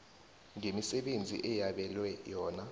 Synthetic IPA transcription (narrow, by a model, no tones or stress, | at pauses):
ŋemisɛɓend͡zʱḭʔɛjaɓɛlwɛjɔːna